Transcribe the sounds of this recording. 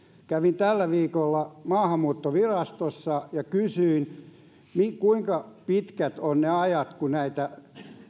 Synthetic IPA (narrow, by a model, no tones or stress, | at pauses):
kæʋint̪ælːæʋiːkolːɑmɑːhɑmmuːt̪ːoʋirɑst̪osːɑjɑkysyin | mikuiŋkɑpit̪kæt̪onneɑjɑt̪kunæit̪æ